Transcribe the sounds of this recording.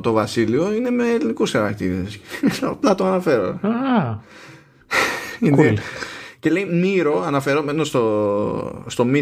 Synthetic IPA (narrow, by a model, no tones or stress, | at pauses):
t̪o̞vɐsilio̞ine̞me̞ːlinikusxɐɾɐk̚t̪iɾesplɐt̪oɐnɐfe̞ɾo̰a | inece̞le̞imiɾo̞ɐnɐfe̞ɾomenost̪o | st̪o̞mi